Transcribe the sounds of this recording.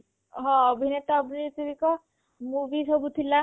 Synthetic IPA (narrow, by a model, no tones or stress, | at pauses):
ɦɔ̃ɔbʱinet̪ɔːbʱiniɾt̪id̪ikɔ | muʋisɔbut̪ʰila